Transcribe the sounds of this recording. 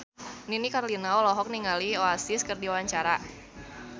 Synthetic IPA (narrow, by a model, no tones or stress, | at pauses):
ninikarlinaɔlɔɦɔk̚niŋalioasiskɨrdiwaɲt͡ʃaɾa